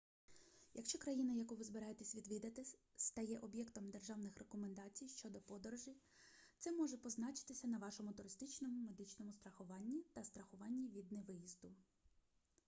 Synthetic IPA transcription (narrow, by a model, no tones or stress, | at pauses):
jɐkʃt͡ʃɔkɾɐjinɐjɐkuʋɪzbɪɾɑjet̪esʲʋʲid̪ʋʲid̪ɐt̪ɪ | st̪ɐjɛʔɔbʲjɛkt̪ɔmd̪erʒɑwnɪxrʔekɔmend̪ɑt͡sʲijʃt͡ʃɔd̪ɔpɔd̪ɔɾɔʒi | t̪sɛmɔʒɛpɔznɑt͡ʃɪ̥t̪ɪsʲɐnɐʋɑʃɔmʊt̪ʊɾɪst̪ɪt͡ʃnɔmʊme̞d̪ɪt͡ʃnɔmʊst̪ɾɐxʊʋɑnʲːit̪ɐst̪ɾɐxʊʋɑnʲːiʋʲid̪nɛʋɪjizd̪ʊ